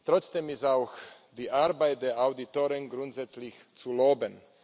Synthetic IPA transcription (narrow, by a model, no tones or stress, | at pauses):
t̪ʁɔt͡sd̥eːmɪstaʊx | d̥iːʔaɾbaɪt̚d̥eːɐaʊditoːʁɪnɡʁuntz̥ɛt͡slɪç | t͡suloːbən